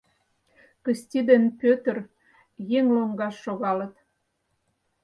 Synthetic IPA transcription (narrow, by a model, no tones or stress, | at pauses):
kə̆st̪ʲid̪enpʲøt̪ə̆r | jeŋloŋɡɑʃːoɣɑlə̆t̪